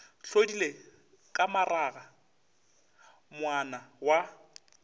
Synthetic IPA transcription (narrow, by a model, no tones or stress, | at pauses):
ɬodile | kʼamaraːɣa | mwanawa